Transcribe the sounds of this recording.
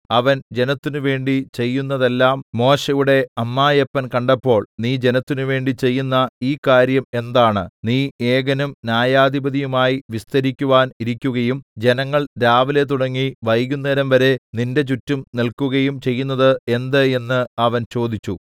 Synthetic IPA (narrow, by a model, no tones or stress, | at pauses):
ɐʋɐnd͡ʑe̞nɐt̪ːinɨʋe̞ːɳɖit͡ɕe̞jːunːɐðe̞lːaːmmo̞ːɕɐjuɽe̞ɐmːaːjepːɐnkɐɳɖɐpːo̞ːɭniːd͡ʑe̞nɐt̪ːinuʋe̞ːɳɖit͡ɕe̞jːunːɐiːkaːɾjɐme̞nd̪aːɳɨniːe̞ːɡɐnumnjaːjaːd̪ʱibɐd̪ijumaːjiʋist̪ɐɾikʲːuʋaːniɾikʲːuɣɐjumd͡ʑe̞nɐŋːɐɭɾaːʋile̞t̪̬uɽɐŋːiʋɐjɣunːeːɾɐmʋɐɾe̞ninde̞t͡ɕutːumnilkuɣɐjumt͡ɕe̞jːunːɐðɨe̞nd̪ɨe̞nːɨɐʋɐnt͡ɕo̞ːd̪it͡ɕːu